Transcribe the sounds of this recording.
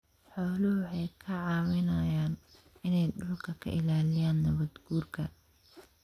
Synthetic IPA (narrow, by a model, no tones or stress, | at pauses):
ħɔːlʊhʊħɑjkʰɐʕɑːwɪnɐjaːn | ɪnɛjɖʊlkʰɐkʰɐ̰ʔɪlaːlɪjaːnːɐβɐd̪ɡ̥uːrkʰɐ